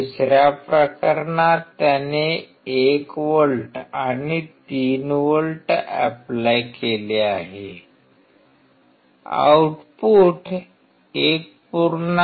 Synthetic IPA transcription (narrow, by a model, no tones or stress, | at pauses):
usɾjapɾəkəɾɳat̪jane | ekʋəɭʈañit̪iːnʋəlʈəɛ̰plajkeleaɦe | a̰wʈpuːʈ | ek̚puɾn